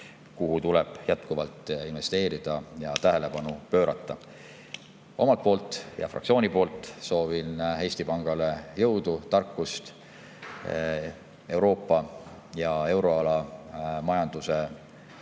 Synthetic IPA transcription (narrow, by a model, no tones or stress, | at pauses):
kuɦut̪uleb̥jæt̪̚kuvɑlt̪ːˑinve̞st̪e̞ːɾid̪̥ɑjɑt̪æɦele̞pɑnupø̞ːɾɑ̰t̪ːˑɑ | o̞̰mɑlt̪̚po̞ːlt̪ːˑjɑ̰frɑkt̪sio̞ːnipo̞ːlt̪ːˑso̞ːvinhe̞jst̪ipɑŋɡ̥ɑle̞jɤwd̪ut̪ɑrkˑːust̪ | e̞wɾo̞ːpːˑɑjɑe̞wɾo̞ɑlɑmɑjɑnd̪̥use